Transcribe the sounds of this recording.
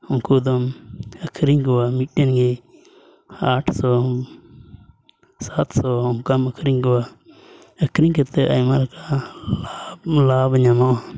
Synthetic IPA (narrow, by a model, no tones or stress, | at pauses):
ɔŋkud̪ɔməkʰɾiŋɡɔwamiʈːenɡi | aʈʰsɔ | sat̪sɔɔŋkaməkʰɾiŋɡɔwa | əkʰɾiŋkət̪əʔajmaɾka | labəɲamɔʔa